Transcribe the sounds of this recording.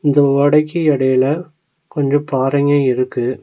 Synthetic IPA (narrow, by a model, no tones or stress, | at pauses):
ɪnd̪ɐʋɐɽɐɪkːiɛɽɐjɪlɐ | kɔɲd͡ʒɐ̃paːɾɐŋeːɪɾɯkːɯ